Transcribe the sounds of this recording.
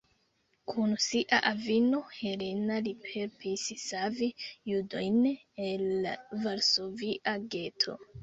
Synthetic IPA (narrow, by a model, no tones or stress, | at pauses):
kʰunsiʔaʔavino̞he̞lenalipʰe̞ɾpissavijudo̞jn | elavaɾsoviʔaɡe̞tʰo̞̰